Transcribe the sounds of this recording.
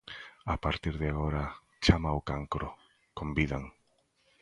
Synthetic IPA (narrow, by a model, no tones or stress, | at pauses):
apaɾt̪iɾðɪaɣoɾa | t͡ʃamaʊkaŋkɾo | kombiðaŋ